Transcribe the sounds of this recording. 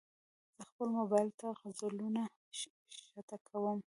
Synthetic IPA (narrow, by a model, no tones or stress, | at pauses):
z̥əxpəlmʊbɑjlt̪aɣzaluna | ʃat̪akʰawəm